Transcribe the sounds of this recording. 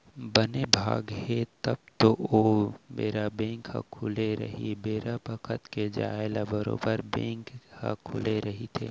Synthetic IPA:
bənebʱa̰ːɡɦet̪əb̚t̪oomeːɾabẽːŋkha̰kʰʊleɾə̰ɦibeːɾabəkʰət̪ked͡ʒa̰ːelabəɾo̰ːbəɾbẽːŋkha̰kʰʊleɾəɦit̪ʰḛː

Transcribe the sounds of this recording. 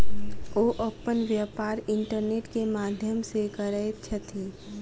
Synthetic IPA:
oːʔopənʋjəːpaːɾɪ̃ɳʈəɾneːʈkemaːd̪ʱjəmsekəɾəet̪t͡ʃʰɐt̪ʰiː

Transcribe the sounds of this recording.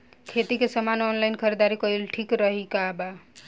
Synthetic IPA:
kʰet̪ikesəmanɔnlajnkʰəɾed̪aɾikʌilʈʰikɾəɦikaba

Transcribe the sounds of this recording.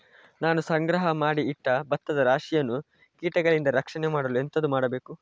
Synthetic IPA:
naːnusɐŋɡɾɐɦɐmaːɽiːʈːɐbɐt̪ːɐd̪ɐɾaːʂijɐnːu | kiːʈɐɡɐɭind̪ɐɾɐkʂɐnɛmaːɽɐlue̞nt̪ɐd̪umaːɽɐbe̞ːku

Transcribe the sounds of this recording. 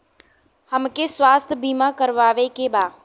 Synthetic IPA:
həmkeswaːst̪ʰbiːmakəɾʋaːʋekebaː

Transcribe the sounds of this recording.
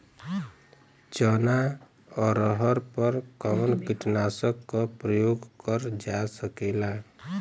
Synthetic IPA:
t͡ʃəna | ɔɾəɦəɾpəɾkɔwnkiʈnasəkːɔpɾəjoɡkəɾd͡ʒasəkela

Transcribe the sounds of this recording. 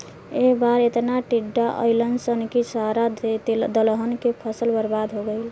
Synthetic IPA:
ebaɾet̪naʈiɖːaʔə̰ɪlənsənkisaɾad̪ələɦənkepʰəsəlbəɾbad̪ʱɦoɡəɪl

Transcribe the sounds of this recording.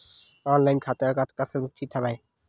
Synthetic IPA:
ɔnlajnkʰat̪eaɾkat̪ʰkasʰemuk̚t̪ʰit̪ʰabaj

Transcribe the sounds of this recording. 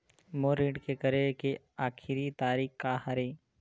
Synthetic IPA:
moːɾiːɖkekəɾeke | aːkʰɪɾit̪aːɾiːkkahɐɾeː

